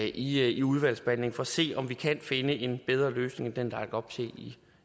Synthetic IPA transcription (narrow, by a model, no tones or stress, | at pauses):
ʔiiuð̞ˠʋæl̰sb̥æne̝ŋfɒ̽ɐse̝̰ːɒ̽mʋikʰænfe̝nəʔe̝nb̥eð̞ˠʁɐløːsne̝ŋæd̥end̥ɑkɡ̥ɒ̽b̥sʰe̝̰ːi